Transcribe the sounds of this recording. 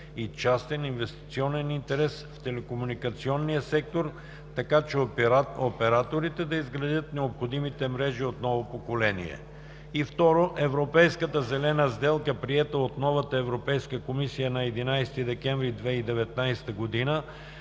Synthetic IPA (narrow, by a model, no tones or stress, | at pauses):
it͡ʃast̪ɛninvɛst̪i̥t̪siɔnɛnint̪ɛɾɛsft̪ɛlɛkomunikɐt̪siɔnːijəsɛk̚t̪oɾ | t̪ɐkat͡ʃɛopɛɾat̪oɾit̪ɛd̪ɐizɡɾɐd̪jət̪nɛopxod̪imit̪ɛmɾɛʒiot̪nɔvopokolɛnḭɛ̰ | ift̪ɔɾoʔɛvɾopɛjskət̪əzɛlɛnəzd̪ɛlˠkəpɾiɛt̪əot̪nɔvət̪əɛvɾopɛjskəkomisijənɐɛd̪inajst̪id̪ɛkɛ̃ɱvɾid̪vɛid̪ɛvɛt̪̚najst̪əɡod̪inə